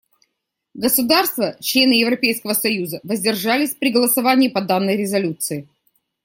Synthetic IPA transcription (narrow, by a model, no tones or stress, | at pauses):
ɡəsʊd̪arst̪vət͡ɕlʲe̞nɨjɪvɾɐpʲejskəvəsɐjuzəvəzʲdʲɪrʐalʲɪsʲpɾʲɪɡəlˠəsɐvanʲɪːpɐd̪anːəjɾʲɪzɐlʲut̪sɨɪ